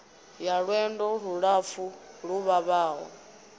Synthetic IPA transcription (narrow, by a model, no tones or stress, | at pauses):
jaɺwɛndɔɺuɺafuɺuβaβaːɦɔ̰